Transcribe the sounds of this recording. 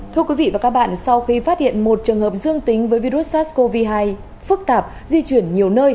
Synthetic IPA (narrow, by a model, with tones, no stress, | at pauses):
t̪ʰɨ˧əkwi˨˦vḭ˧˨vaː˨˩kaː˦˥k̚ɓa̰ː˧˨nsa˧wxi˧faː˦˥t̚hḭ˧˨ənmo˨˩t̚t͡ɕɨ˨˩əŋhɦəː˨˩p̚zɨ˧əŋt̪ï˨˦ŋ̟vəː˨˦jvi˧ɾu˦˥t̚saː˦˥tsko˧vi˧ɦaː˧j | fɨ˦˥k̚t̪aː˨˩p̚ | zi˧t͡ɕwi˧˩ənɲi˨˩əwnəː˧j